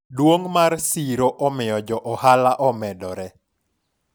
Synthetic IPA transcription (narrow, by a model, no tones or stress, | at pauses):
dwoŋmarsiɾoʔɔmɪjɔd͡ʒɔʔɔhalaʔɔmɛdɔɾɛ